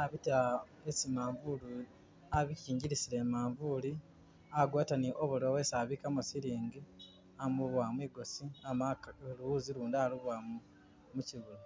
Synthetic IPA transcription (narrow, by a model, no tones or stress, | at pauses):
aβita | esimaːɱvuli | aβiciːɲɟiɾisile̞maːɱvuːli | aɡwaːtaniʔoβulowesaβikamusiɾiːŋɡi | amuβwamwiːɡo̞siamakeluwuːziɾuːndaluβwamu | muciβulo